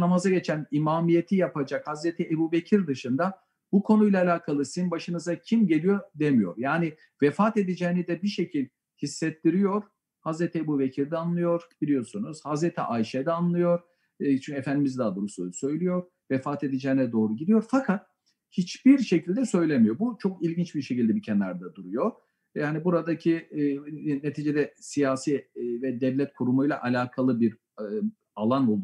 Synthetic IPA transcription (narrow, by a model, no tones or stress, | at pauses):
namazaɟe̞t͡ʃʰænimaːmije̞t̪ʰijapad͡ʒakhazɾet̪ʰiebuːbe̞cʰiɾd̪ɯʃɯnd̪a | bukʰo̞nujlʲˠaːlʲaːkʰalˠɯsinbaʃɯnɯzacʰimɟelijo̞d̪emijo̞̰ɾjaːnɪ | vɛfaːt̪e̞d̪ɛd͡ʒɛnɛd̪ɛbiʃe̞cʰilʲ | hisːɛt̪ːiɾijo̞ɾ̥ | hazɾet̪ʰiebuːbecʰiɾd̪ɛanlˠɯjo̞ɾb̥ilʲijo̞sunuz̥hazɾet̪ʰḭʔaiʃɛd̪ɛanlˠɯjo̞ɾ̥ | t͡ʃʰyɲcʰefænd̪imizd̪aːd̪uɾususø̞jlʲyjo̞ɾ | vɛfaːt̪ʰe̞d̪id͡ʒɛːnɛd̪o̞ːɾuɟid̪ijo̞ɾfakʰat̪̚ | hit͡ʃbiɾʃe̞cʰilʲd̪ɛsø̞jlʲemijo̞but͡ʃʰo̞kilʲɟint͡ʃbiɾʃecilʲd̪ɛbicʰɛnːæɾd̪ɛd̪uɾujo̞ | jaːnibuɾad̪acʰi | ne̞t̪ʰiːd͡ʒe̞d̪ɛsijaːsivɛd̪ɛvlʲɛt̪kʰuɾumujlˠaʔalʲaːkʰalˠɯbiɾ | alˠanolˠd̪